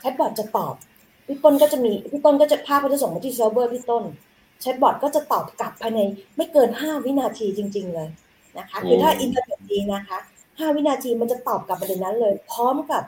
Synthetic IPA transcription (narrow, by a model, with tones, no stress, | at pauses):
t͡ɕʰɛ˦˥t̪̚bɔː˨˩t̪̚t͡ɕa˨˩t̪ɔː˨˩p̚ | wi˦˥˩t̪o˥˩nkɔ˥˩t͡ɕa˨˩miː˧˦t̪ʰiː˥˩t̪o˥˩nkɔː˥˩t͡ɕa˨˩pʰaː˥˩kɔː˥˩t͡ɕa˨˩so˨˩ŋma˧t̪ʰiː˥˩s̬e˦bɤː˥˩t̪ʰiː˥˩t̪o˥˩n | t͡ɕʰɛ˦˥t̪̚bɔ˨˩t̪̚kɔː˥˩t͡ɕa˨˩t̪ɔː˨˩p̚ka˨˩pʰːaː˧jna˧jma˥˩jkɤː˧nhaː˥˩wi˦˥naː˧t̪ʰiː˧t͡ɕi˧ŋt͡ɕi˧ŋlɤː˧j | na˦˥kʰa˦˥kʰɯː˧t̪ʰaː˥˩ʔi˧nt̪a˧ne˨˩t̪̚diː˧na˦˥kʰa˦˥ | haː˥˩wi˦˥naː˧t̪ʰiː˧ma˧nt͡ɕa˨˩t̪ɔː˨˩p̚ka˨˩p̚ba˧de˧˩na˦˥nlɤː˧jpʰɾɔː˦˥mka˨˩p̚